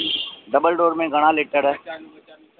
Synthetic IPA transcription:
ɖəbəlɖoːɾmẽɡʱəɽ̃aleːʈəɾɦɛː

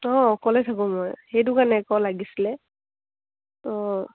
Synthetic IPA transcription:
ɔkɔlɛtʰakʊmɔjhejt̬ʊkanɛːkɔlaɡisilɛ | ɔ

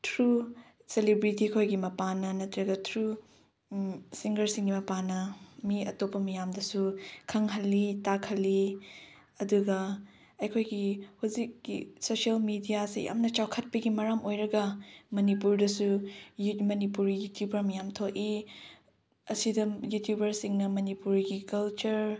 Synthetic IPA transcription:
tʰɾu | selibɾitikʰojɡimɐpanɐnɐtɾɐɡɐtʰɾu | siŋɡɐɾsiŋɡimɐpanɐmiɐtopːɐmɐjamdɐsukʰɐŋɦɐlːitakʰɐlːi | ɐduɡɐ | ɐjkʰojɡihuzikːḭsosɐlmidijasḭja̰mnɐt͡ʃawkʰɐt̚pɐɡimɐɾamʔojɾɐɡɐmɐnipuɾdɐsujmɐnipuɾijutʰjubɐɾmɐjamtʰoki | ɐsidɐjutʰjubɐɾsiŋnɐmɐnipuɾiɡikɐlt͡ʃuɾ

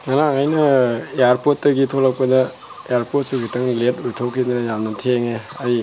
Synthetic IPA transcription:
ŋɐnaŋajnɐejaɾpot̚ːɐɡitʰolɐk̚pɐdɐ | ejaɾpot̚suɡitʰɐŋletujtʰowkʰidɐnɐjamnɐtʰeŋeai

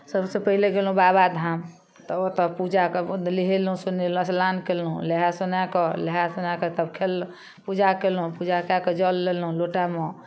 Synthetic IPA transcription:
səbsẽpəɦileɡelɦũbabad̪ʱam | t̪ɔot̪ɔpud͡ʒakliɦelɦũsunelũslankelɦũleɦasunakeleɦasunaket̪əbkʰelː | pud͡ʒakelũpud͡ʒakakɔd͡ʒɔlːelɦũloʈamɔ

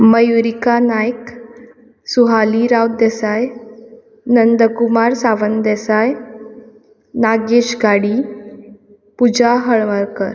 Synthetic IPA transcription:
məjuɾikanajk | suɦaliɾawt̪̚d̪ɛsaj | nənd̪əkumaɾsaʋənd̪ɛsaj | naɡeɕɡaɽi | pud͡ʑaɦəɭʋəɾkəɾ

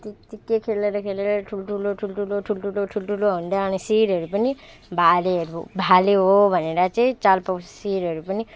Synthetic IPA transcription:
t̪it̪ikekʰeleɾɔkʰeleɾɔʈʰuloʈʰuloʈʰulʈʰuloʈʰulʈʰuloʈʰulʈʰuloũnd̪aːnisiɾɦʌɾupəni | bʱaleɦəɾṵbʱaleɦobʱəneɾat͡ʃaĩt͡ʃalpəsiɾɦʌɾupəni

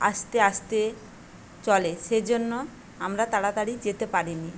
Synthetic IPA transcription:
a̰ʃt̪eaʃt̪e | t͡ɕɔleʃed͡ʑonːo | amɾat̪aɽat̪aɽid͡ʑet̪epaɾini

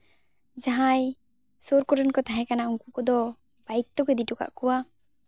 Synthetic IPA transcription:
d͡ʒaɦaj | soɾkɔɾənkɔt̪aɦɛ̃kanauŋkukɔd̪ɔ | bajk̚t̪ɔkɛd̪iʈɔka̰ʔkuwa

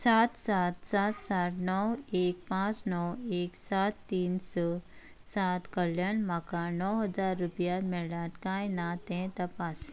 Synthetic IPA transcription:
saːt̪saːt̪saːt̪saːʈʰnɔweːk̚pãːt͡ʃnɔweːksaːt̪ːiːnsə | saːt̪kəljənmakanɔwɦɐzaːɾːupjamɛlaːt̪kanat̪ẽt̪ɐpaːs

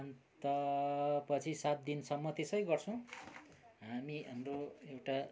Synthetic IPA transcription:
ʌnt̪ʌpʌt͡sʰisat̪̚d̪insʌmːʌt̪esʌjɡʌrt͡sʰʌ̃ | ɦamiʔʌmroewʈa

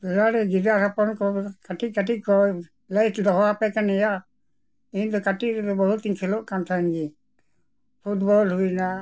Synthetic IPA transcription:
d̪ɔlaɾɛɡidaɾapɔnkɔkaʈikaʈiʔ̚kɔ | lajtd̪ɔɦɔapɛkanɛja | int̪ɔkaʈiʔɾɛd̪ɔbɔɦut̪iŋkʰɛloʔkamt̪ʰanɡi | pʰuʈbɔlɦujna

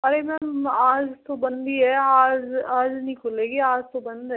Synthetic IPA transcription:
ɐɾemɛ̃ːmaːd͡ʒt̪obɐ̃nd̪iɦɛaːd͡ʒaːd͡ʒnəɦĩkʰoleːɡiaːd͡ʒt̪obɐ̃nd̪ɦɛ

